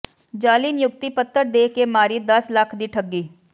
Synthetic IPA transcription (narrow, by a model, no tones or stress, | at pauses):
d͡ʒaːliːnjʊkt̪iːpət̪ːəɾd̪eːkeːmaːɾiːd̪əsləkʰd̪iːʈʰəɡːiː